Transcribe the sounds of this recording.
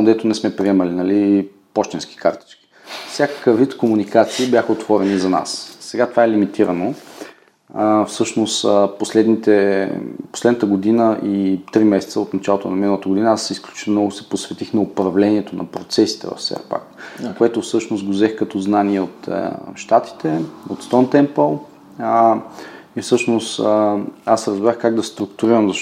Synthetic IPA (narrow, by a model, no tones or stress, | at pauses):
d̪ɛt̪ʊnɛsmɛpɾiɛməlinɐli | pɔʃt̪ɛnski̥kʰa̰ɾt̪i̥t͡ʃkʲi̥ | fsʲakə̥kəvit̪komunikat̪siːbʲjaxəot̪vɔɾɛnizɐna̰ssɛɡat̪ovaɛlimit̪iɾəno | fsɤʃnost̪poslɛd̪nit̪ɛ | poslɛd̪nət̪əɡod̪inəʔit̪ɾimɛsɛ̥t̪səot̪nɐt͡ʃalˠot̪onɐminəlˠət̪əɡod̪inəasisklʲu̥t͡ʃimnɔɡʊsɛ̥posvɛt̪ixnɐopɾɐvlɛniɛt̪onɐ̰pɾot̪sɛsi̥t̪ɛ̰vɐ̰fsɛ̰ɾpa̰kkoɛt̪ʊfsɤʃnosɡozɛxkɐt̪ɔznaniɛot̪ʃt̪at̪i̥t̪ɛot̪st̪ɔnt̪ɛmpəlˠ | ifsɤʃnost̪ | asɾɐzbɾaxkaɡd̪ɐst̪ɾʊkt̪uɾiɾəmzɐʃ